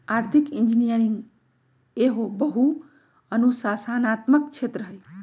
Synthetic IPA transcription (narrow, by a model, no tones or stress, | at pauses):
aɾt̪ʰikind͡ʒinijəɾiŋɡ | eɦobəɦu | ənusasanat̪məkt͡ʃʰet̪ɾəɦəj